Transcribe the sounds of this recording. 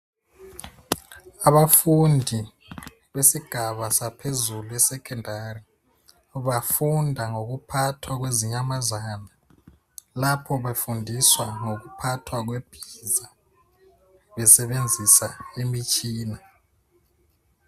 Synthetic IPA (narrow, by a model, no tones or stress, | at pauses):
aβafundʱi | βesiɡ̥ʱaβasapʰezuluɛsɛkʰɛndʱari | uβafundʱaŋoɣ̬upʰatʰwaɣ̬weziɲamazaːna | lapʰɔβefundʱiswaŋok̬upʰatʰwaɣ̬web̥ʱiza | βɛsɛβend͡zʱisaemit͡ʃʼiːna